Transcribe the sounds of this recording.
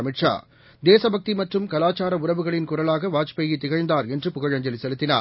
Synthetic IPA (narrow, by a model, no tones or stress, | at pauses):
ɐmɪʈʂa̰ː | d̪eːsɐbʱɐk̚t̪imɐʈrɯmkɐlaːt͡ʃaːɾɐʊɾɐʋɯɣɐɭɪnkʊrɐlaːɣɐʋaːt͡ʃpɐjɪt̪ːɪɣɐɻnd̪aːɾɛndrɯpʊɣɐɻɐɲd͡ʒɐlisɛlɯt̪ːɪna̰ː